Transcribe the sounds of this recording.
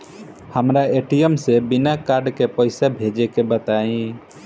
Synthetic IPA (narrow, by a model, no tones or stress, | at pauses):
həmɾaeʈijəmsebinakaɾɖkepəɪsabʱed͡ʒekebət̪aĩ